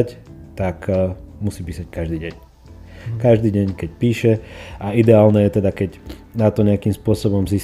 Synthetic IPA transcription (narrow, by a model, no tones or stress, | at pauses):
ct̪akmusiːpiːsackaʒd̪iːɟɛɲ | kaʒd̪iːɟɛɲkɛc̚piːʃɛaid̪ɛaːlnɛjɛt̪ɛd̪akɛɟnat̪ɔɲɛakimspʊɔsɔbɔmzi